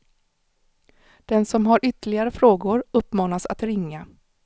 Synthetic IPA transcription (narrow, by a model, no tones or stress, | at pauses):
d̪̥ɛnsɔmɦaɾʔʏt̪əɭɪɡaɾəfɾoːɡʊɾɵpːmɑːnasa̰t̪ɾɪŋːa